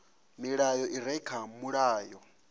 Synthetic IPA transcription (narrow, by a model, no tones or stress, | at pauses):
miɺajɔʔiɾɛkʰamuɺaːjɔ